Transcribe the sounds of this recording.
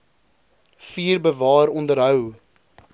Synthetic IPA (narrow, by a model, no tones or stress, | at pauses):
fiːrbəvɑːɾɔndəɾɦœw